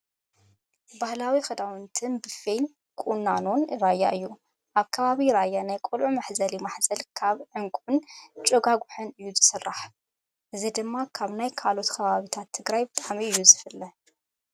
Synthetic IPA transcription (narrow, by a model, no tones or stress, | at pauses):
bahlawixɐd̪awɨnt̪ʰɨnbɨfejn | kʼunːano̞nɾajːa̰ʔɨjːu | ʔaβkʰɐβaβiɾajːanajkʼolʕumaħzɐlimaħzɐlkʰaβʕɨŋkʼʊnt͡ʃʼɨɡaɡuħɨnɨjːuzɨsɨrːaħ | ʔɨzid̪ɨmːakʰaβnajkʰalo̞t̪kʰɐβaβit̪ʰat̪ʰːɨɡɾajbɨt̪ʼaʕmiɨjːuzɨfɨlːɐ